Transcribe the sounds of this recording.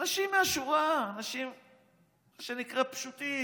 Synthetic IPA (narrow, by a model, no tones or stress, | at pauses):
anaʃimːeaʃuʁaːnaʃim | ʃenikʁapʃut̪i